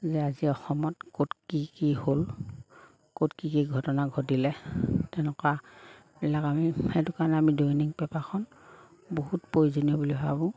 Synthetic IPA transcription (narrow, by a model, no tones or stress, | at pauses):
zɛaziɔxɔmɔtkotkikihol | kotkikiɡʱɔtɔnaɡʱotilɛtɛʊnɛka | bilakamihetukanɛamiduŋniŋpɛpakʰɔn | bohutpoizonijɔbulibabʊ̃